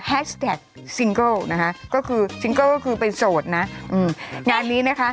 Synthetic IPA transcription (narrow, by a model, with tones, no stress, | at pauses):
hɛː˦˥st̪ɛː˨˩k̚ | si˧˥ŋkɤ˥˩na˦˥kʰa˦˥ʔkɔː˥˩kʰɯː˧si˧ŋkɤː˥˩kɔː˥˩kʰɯː˧pe˧nsoː˨˩t̪̚na˦˥ʔʔɯː˧˩mŋaː˧nːiː˦˥na˦˥kʰa˦˥ʔ